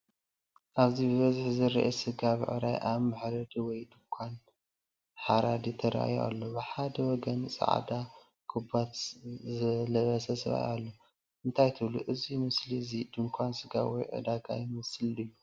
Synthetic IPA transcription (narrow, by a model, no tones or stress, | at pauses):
ʔaβzibɨβɐzɨħzɨɾ̰ʔɐsɨɡaβɨ̰ʕɨ̰ɾajʔaβmɨħɾɐd̪wɔjd̪ɨŋkʷʰan | ħaɾad̪it̪ʰɐɾʔa̰ja̰lːobɨħad̪ɐwɔɡɐnsʼa̰ʕ̰d̪a | kʰɨbat̪zɨlɐβɐsɐsɨβa̰jalːo | ʔɨnt̪ʰajt̪ʰɨβluʔɨzimɨslizid̪ɨŋkʷʰansɨɡa̰wɔ̰jʕɨ̰d̪aɡa̰jmɨslɨjːu